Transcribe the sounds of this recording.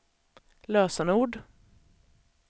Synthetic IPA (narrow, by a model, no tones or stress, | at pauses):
løːsɑnəuːɖ